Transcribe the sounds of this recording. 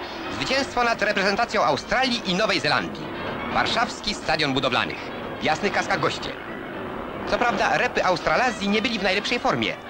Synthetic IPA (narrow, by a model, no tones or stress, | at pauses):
zvɘt͡ɕɛ̃w̃st̪fɔnat̪ɾɛpɾɛzɛnt̪at̪sʲjɔ̃w̃ʔawst̪ɾalʲjiʔinɔvɛjzɛla̰nd̪ʲḭ | va̰ɾʂafskʲist̪ad̪ʲjɔnbud̪ɔvla̰nɘ̰x | vjasnɘxkaskaɣɡɔɕt͡ɕɛ̰ | t̪sɔpɾavd̪a̰ɾɛpɘʔawst̪ɾalazʲjiɲɛbɘlʲivnajlɛpʂɛjfɔɾmʲjɛ̰